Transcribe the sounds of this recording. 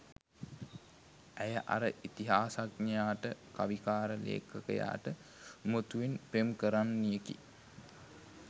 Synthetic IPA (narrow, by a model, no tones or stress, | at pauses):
æjəʔa̰ɾəʔit̪iɦaːsaknijaːʈəkaʋikaːɾəlḛːkʰəkə̰ja̰ːʈəmot̪uʋinpɾemkəɾanːijekḭ